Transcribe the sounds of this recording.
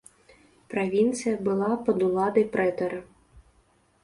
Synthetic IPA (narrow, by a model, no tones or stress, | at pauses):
pɾavʲint̪sɨjɐbɨlˠapɐd̪ulˠad̪ɐjpɾɛt̪ɐɾɐ